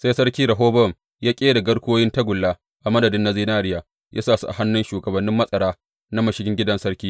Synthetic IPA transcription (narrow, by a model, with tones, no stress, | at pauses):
sa˦jsɐ˦ɽkʲiː˦ɾɐ˨ɦoː˦bɔ˦˨m | jaː˦kʲʼeː˦da˨ɡɐ˦ɽkʷoː˦jɪ˦ntɐ˦ɡʷʊ˨lːaː˦ | ʔa˨mɐ˦dɐ˨dɪ˦nːa˦ziː˦naː˦ɾɪ˦jaː˨ | jʔa̰ː˦saː˨sṵ˦ʔa̰˨ha˦nːɪ˦nʃuː˨ɡɐ˨bɐ˨nːɪ˦mːɐ˦sʼɐ˨ɽaː˦ | na˦mɐ˨ʃɪ˦ɡʲɪ˦ŋɡʲɪ˦dɐ˦nsɐ˦ɽkʲiː˦